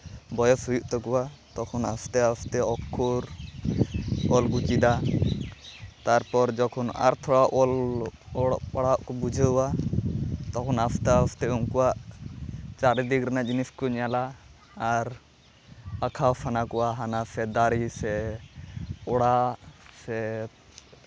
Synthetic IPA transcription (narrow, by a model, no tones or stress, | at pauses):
bɔjɔsɦujuʔt̪ɔkuwat̪ɔkʰɔnast̪ɛast̪ɛɔkʰːuɾ | ɔlɡut͡ʃid̪a | t̪aɾpɔɾd͡ʒɔkʰɔna̰ɾt̪ʰɔɽaʔɔlɔɽɔpaɽaʔkɔbud͡ʒʱəwa | t̪ɔkʰɔnapʰt̪ɛast̪ɛuŋkuwaʔ | t͡ʃaɾid̪ikɾɛnad͡ʒiniskɔɲalaː | ɾ | akʰawpʰanakɔwaɦanasɛd̪aɾisɛ | ɔɽasɛ